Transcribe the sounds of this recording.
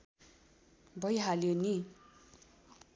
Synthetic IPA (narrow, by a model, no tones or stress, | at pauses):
bʌjɦaljoni